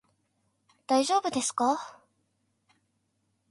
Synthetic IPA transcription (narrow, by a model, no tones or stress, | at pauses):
d̪̥aiʑo̞ːbɯ̟d̪e̞sɨ̥ka